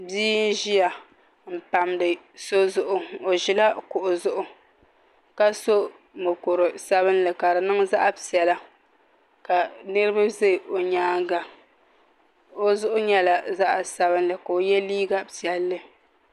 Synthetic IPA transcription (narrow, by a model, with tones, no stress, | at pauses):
biː˦n̩˦ʒi˦ja˨ | m̩˨pa˨mdɨ˨ | so˦zʊ˨ʔʊ˦o˨ʒi˨la˦kʊ˨ʔʊ˨zʊ˦ʔʊ˨ | ka˦so˦ | mɨ˨kʊ˨ɾɨ˨sa˦βɨ˦nlɨ˨ka˨ɾɨ˨nɨ˦ŋza˦ʔa˦sɛ˨la˦ | ka˨nɨ˦ɾɨ˦ba˦ze˦˨ʔo˨ɲaː˦ŋɡa˨ | o˦zʊ˦ʔʊ˦ɲɛ˦la˨za˦ʔa˨sa˦βɨ˦nlɨ˨ka˨o˨jɛ˦liː˦ɡa˦si˨ɛ˨lːɨ˨